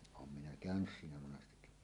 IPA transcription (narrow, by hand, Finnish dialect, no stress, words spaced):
oːm minæ kæˑønys siːnæ monɑstekːi